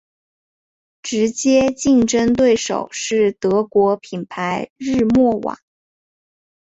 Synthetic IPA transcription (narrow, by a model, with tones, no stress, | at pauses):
ʈ͡ʂɻ̩˧˥t͡ɕjɛ˥t͡ɕi˥˩ŋʈ͡ʂə˥ŋt̪we˥˩ɪʂo̰˨˩ʊʂɻ̩˥˩t̪ɤ˧˥kwɔ˧˥pʰi˨˩npʰa˧˥ɪɻɻ̩˥˧mwɔ˥˩wɑ̰˨˩˦ŋ